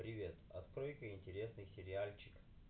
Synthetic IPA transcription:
pɾʲɪvʲe̞t̪ɐ̰t̪kɾo̞jkəɪnʲtʲɪɾʲe̞snɨsʲɪɾʲɪalʲt͡ɕɪk

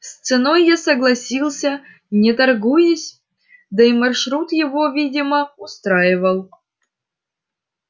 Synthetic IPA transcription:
st̪sɨnojːasəɡlˠɐsʲilˠsʲə | nʲɪt̪ɐrɡujɪsʲ | d̪ɐimɐrʂɾut̪jɪvo̞vʲidʲɪməʊst̪ɾajɪvəlˠ

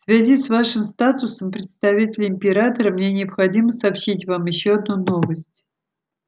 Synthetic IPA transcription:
fsvʲazʲisvaʂɨmst̪at̪ʊsəmpɾʲɪt̪st̪ɐvʲitʲɪlʲɪɪmʲpʲɪɾat̪əɾəmnʲenʲɪəpxɐdʲiməsɐːpɕitʲvamjɪɕːoɐd̪nuno̞vəsʲtʲ

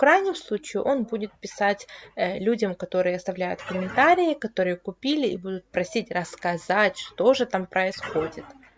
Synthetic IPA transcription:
fkɾajnʲɪmslˠut͡ɕɪɪʔo̞nbudʲɪt̪̚pʲɪsatʲlʲudʲɐmkɐt̪o̞ɾɨjəɐst̪ɐvlʲæjʊt̪kəmʲɪnt̪aɾʲɪjɪkɐt̪o̞ɾɨjəkʊpʲilʲɪibud̪ʊt̪̚pɾɐsʲitʲrəskɐzatʲʂt̪o̞ʐɨt̪ampɾʔəɪsxo̞dʲɪt̪

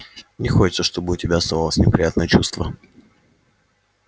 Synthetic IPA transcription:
nʲɪxo̞t͡ɕɪ̥t̪səʂt̪o̞bɨʊtʲɪbʲaɐst̪avalˠəsʲnʲɪpɾʲɪ̰jat̪nəjət͡ɕust̪və

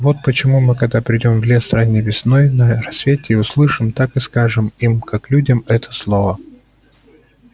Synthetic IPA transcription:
vo̞t̪̚pət͡ɕɪmumɨkɐɡ̚d̪apɾʲɪdʲo̞mvlʲe̞sranʲːɪvʲɪsno̞jnərɐsvʲetʲɪːʊslˠɨʂɨmt̪akɨskaʐɨmimkaklʲudʲəmɛt̪ʰə̥slˠovə

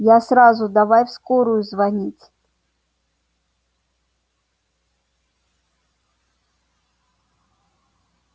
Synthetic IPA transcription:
jasɾazʊd̪avajfskoɾʊjʊzvanʲit͡sʲ

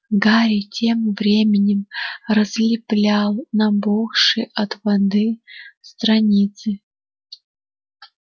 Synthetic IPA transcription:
ɡaɾʲɪtʲʰemvɾʲemʲɪnʲɪmrəzlʲɪplʲalˠnɐboxʂɨʔɐt̪vɐd̪ɨst̪ɾɐnʲit̪sɨ

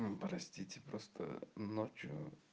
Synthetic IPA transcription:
pɾɐsʲtʲitʲɪpɾost̪ʰə̰not͡ɕjʊ̰

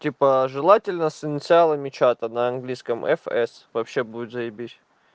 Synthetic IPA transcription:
tʲipəʐɨlˠatʲɪlʲnəsɪnʲɪt̪sɨalˠəmʲɪt͡ɕat̪ənɐɐnɡlʲijskəmɛ̰fɛ̰svɐpɕːebuɪt̪zɐjɪbʲitʲ

